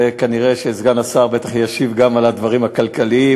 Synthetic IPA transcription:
ekaniʁeʃeːzɡanasaʁbet̪aχjaʃivɡamalad̪vaʁimhakalkalii

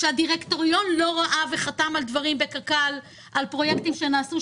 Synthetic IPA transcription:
ʃeadiʁekto̞ʁijo̞nlo̞ʁaʔave̞χatamaldvaʁimbe̞kalkal | ʔalpʁo̞jektimʃe̞naːsu

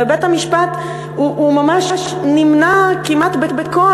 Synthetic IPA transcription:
ebethamiʃpat̪ | uʔumamaʃʃnimnakimʔat̪betbekoa

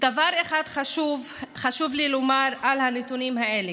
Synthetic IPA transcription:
d̪̥avaɾeχad̪χaʃuv | χaʃuvlilomaɾalhanet̪unimɦaʔele

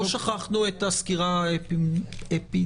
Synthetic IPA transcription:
ʃaχaχnuet̪askiʁa | epi

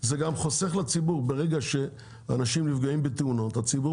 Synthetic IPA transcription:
zeɡamχoseχlat͡sibuʁbeʁeɡaʃe | a̰naʃimlifɡoimbet̪euno̞t̪hat͡sibu

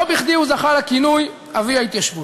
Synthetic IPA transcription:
obiχd̪iuzaχalakinuj | aviait̪jaʃvu

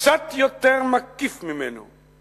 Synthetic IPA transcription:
sat̪jɔt̪ɛɾmakːifmimeno̰

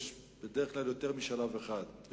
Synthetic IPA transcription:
ʃ | b̥ed̪eʁeχklaljo̞t̪e̞ʁmiʃalaveχad̪

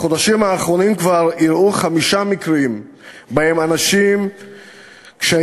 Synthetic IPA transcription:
χo̞d̪aʃimaːχɾo̞nimkvaʁiɾʔuχamiʃamikɾim | bahemanaʃim | kʃea

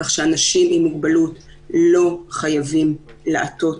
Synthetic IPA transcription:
aχʃeanaʃimimiɡ̚balut | lo̞χajavim | leʔato̞

